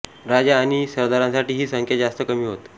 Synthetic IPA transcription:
ɾad͡ʑaːñisəɾd̪aɾãnsaʈiːɦiːsəŋkjad͡ʑast̪əkəmiːɦot̪

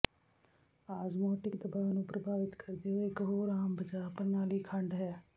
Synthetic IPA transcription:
aːd͡ʒmɔːʈɪkd̪əbaːnũːpɾəbʱaːʋɪt̪kʰəɾd̪eːɦoɪkɦoːɾaːmbəd͡ʒaːpəɾnaːliːkʰəɳɖɦɛː

